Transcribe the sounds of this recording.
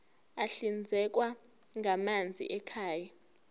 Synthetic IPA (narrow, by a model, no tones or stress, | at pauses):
aɬind͡zʱɛk̬ʼwa | ŋɡʱamand͡zʱḭʔɛkʰaːja